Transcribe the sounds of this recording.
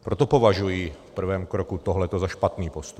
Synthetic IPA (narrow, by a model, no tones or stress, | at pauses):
pɾot̪o̞po̞vaʒujiːfpr̩vɛːmkɾokut̪oɦlɛt̪ozaʃpat̪niːpost̪up